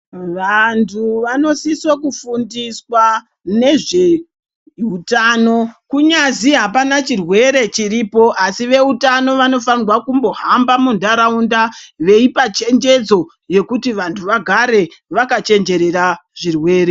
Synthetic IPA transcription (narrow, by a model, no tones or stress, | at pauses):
ʋantʰuʋano̞siswakufundiswa | ne̞ʐe̞ | utaːno̞kuɲaziɦapanat͡ʃirwe̞ɾe̞t͡ʃiɾipo̞ʔasiʋe̞utano̞ʋano̞fanirwakumbo̞ɦambamundaɾaundaʋe̞ipat͡ʃe̞nd͡ʒe̞d͡zo̞ | je̞kutiʋantʰuʋaɡʱaɾe̞ʋakat͡ʃe̞nd͡ʒe̞ɾe̞raʐirwe̞ːɾe̞